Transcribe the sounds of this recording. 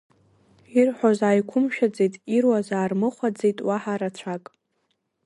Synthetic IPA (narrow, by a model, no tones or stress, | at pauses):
irħozaːjkʷʰʊmʃᶣad͡zejtʼirwazaːrmɨχʷad͡zejtʼwaħaɾat͡ɕʷʰakʼ